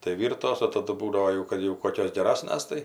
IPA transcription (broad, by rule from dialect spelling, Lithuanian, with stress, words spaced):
tɐɪ ˈʋʲiːrtoːs oː tɐˈdʊ ˈbuːdɐʋoː ˈjɛʊ ˈkɐt jɛʊ ˈkoːkʲoːs ɡʲɛˈrɑːsnɐs tɐɪ